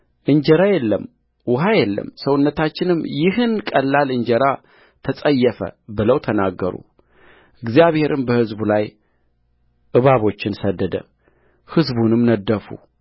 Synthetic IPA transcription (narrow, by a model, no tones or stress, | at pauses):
ʔɨɲd͡ʒɛɾajɛlːəm | wʊɦajɛlːə̰msəwʊnːət̪ʰat͡ʃːɪnɨmːjɪɦɨnkʼəlːalɨɲd͡ʒɛɾa | t̪ʰəsʼəjːɛfə̰bɨləwt̪ʰənaɡːəɾṵ | ʔɨɡzijaβhe̞ɾʔɨmbəhɨzbulaj | ʔɨβaβo̞t͡ʃːɪnsəd̪ːəd̪ə̰ | hɨzbunɨmnəd̪ːəfṵ